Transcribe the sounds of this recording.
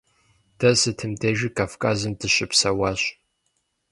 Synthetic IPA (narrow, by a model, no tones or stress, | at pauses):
d̥ɐsɨtʰɨmtʰeːʒikʼaːfkʼaːzɨmdɨɕɪpsɐwaːɕ